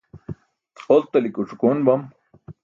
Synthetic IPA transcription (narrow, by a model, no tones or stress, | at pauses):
olt̪ɐlikuʈ͡ʂukoːnbɐm